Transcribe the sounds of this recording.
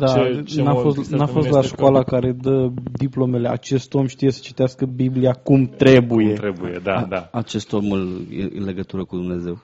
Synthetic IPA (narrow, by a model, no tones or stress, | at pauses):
d̪anafost̪nafo̞st̪laʃkwalakaɾe̞d̪əd̪iplo̞me̞le̞a̰t͡ʃe̞st̪o̞mʃt̪ije̞sə̥t͡ʃi̥t̪easkəbibliakumt̪ɾe̞buje̞t̪ɾebujed̪aaat͡ʃe̞st̪o̞muljḛɨ̰le̞ɡət̪uɾəkud̪umne̞ze̞w